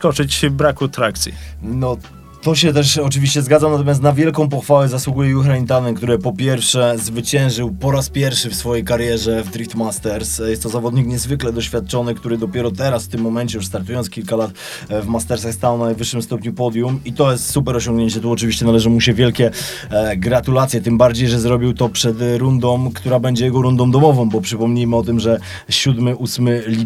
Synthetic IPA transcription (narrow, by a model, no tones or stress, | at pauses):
skɔt͡ʂɘt͡ɕvbɾakuat̪ɾak̚t̪sʲḭnɔ | t̪ɔɕ̬ɛt̪ɛʂɔt͡ʂɘvʲiɕt͡ɕɛzɡad̪zamnat̪ɔmʲjast̪navʲjɛlkɔ̃w̃pɔxfawɛzaswuɡujɛjuxɾaint̪anɛnkt̪uɾɘpɔpʲjɛɾfʂɛzvɘt͡ɕɛ̃w̃ʐɘwpɔɾaspʲjɛɾfʂɘfsfɔjejkaɾjɛʐɛvd̪ɾikt̪mast̪ɛɾsjɛst̪ːɔzavɔd̪ɲikɲɛzvɘklɛd̪ɔɕfʲjat̪̚t͡ʂɔnɘkt̪uɾɘd̪ɔpʲjɛɾɔt̪ɛɾasft̪ɘmːɔmɛɲt͡ɕɛjuʂst̪aɾt̪ujɔnskʲilkalat̪ | vmast̪ɛɾsaxst̪awnajvɘʂːɘmst̪ɔpɲupɔd̪jumit̪ɔjɛst̪supɛɾɔɕɔŋɡɲeɲt͡ɕɛt̪uɔt͡ʂɘvʲiɕt͡ɕɛnalɛʐɘmuɕɛvʲjɛlkʲɛ | ɡɾat̪ulat̪sʲjɛt̪ɘmbaɾd͡ʑejʐɛzɾɔbʲiwt̪ɔpʂɛt̪ɾund̪ɔmkt̪uɾabɛɲd͡ʑɛjɛɡɔɾund̪ɔmd̪ɔmɔvɔ̃mbɔpʂɘpɔmɲijmɘɔt̪ɘmʐɛ | ɕud̪mɘʔusmɘlʲi